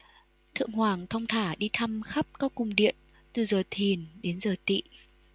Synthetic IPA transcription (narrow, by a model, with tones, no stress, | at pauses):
t̪ʰɨ̰˧˨əŋhwaː˨˩ŋt̪ʰə˧wŋ͡mt̪ʰaː˧˩ɗi˧t̪ʰa˧mxa˦˥p̚kɔ˨˦kʊ˨˩ŋ͡mɗḭ˧˨ən | t̪ɨ˨˩zəː˨˩t̪ʰi˨˩nɗe˨˦nzəː˨˩t̪ḭ˧˨